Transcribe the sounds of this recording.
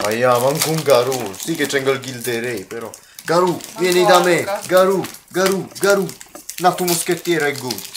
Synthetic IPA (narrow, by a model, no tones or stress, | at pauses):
ɐjamɐŋɡuŋɡaɾusiket͡ʃɛ̃ŋɡəlɡilt̪eɾeipeɾo | ɡaɾumenid̪ameɡaɾuɡɐɾuɡɐɾunat̪umʊsket̪eɾɐkɡu